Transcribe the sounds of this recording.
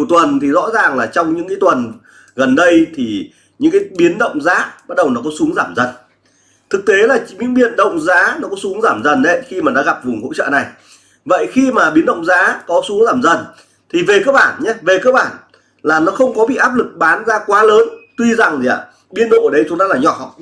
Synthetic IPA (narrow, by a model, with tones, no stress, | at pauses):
əwt̪wə˨˩nt̪ʰi˨˩zɔ̰˧˥zaː˨˩ŋlaː˨˩t͡ɕɔ˧wŋ͡mɲɨ̰˧˥ŋkaː˨˦jt̪wə˨˩n | ɣə˨˩nɗə˧jt̪ʰi˨˩ | ɲɨ̰˧˥ŋkaː˨˦jɓi˨˦ənɗə̰˧˨wŋ͡mzaː˨˦ɓa˦˥t̚ɗə˨˩wnɔ˨˦kɔ˨˦su˨˦əŋzaː˧˩mzə˨˩n | t̪ʰɨ˨˩k̚t̪e˨˦laː˨˩ɲɨ̰˧˥ŋɓi˨˩ənɗə̰˧˨wŋ͡mzaː˨˦nɔ˨˦kɔ˨˦su˨˦əŋzaː˧˩mzə˨˩nɗə˦jxi˧maː˨˩na̰ː˧˥ɣa˨˩p̚vʊ˨˩ŋ͡mho̰˧˥t͡ɕə̰ː˧˨na˨˩j | və̰˧˨jxi˧maː˨˩ɓi˨˦nɗə̰˧˨wŋ͡mzaː˨˦kɔ˨˦su˨˦əŋzaː˧˩mzə˨˩n | t̪ʰi˨˩ve˨˩kəː˧ɓaː˧˩nɲɛ˨˦ve˨˩kəː˧k̚ɓaː˧˩n | laː˨˩nɔ˨˦xə˧wŋ͡mkɔ˨˦ɓḭ˧˨ʔaː˦˥p̚lɨ˨˩k̚ɓaː˨˦nzaː˧kwaː˨˦ləː˨˦nt̪wi˧za˨˩ŋt̪i˨a̰˨˧˩ | ɓi˨˧ənɗo̰˧˨ʔə˨˩ɗə˧jt͡ɕʊ˨˦ŋ͡mt̪aː˧˦laː˨˩ɲɔ̰˧˩˧w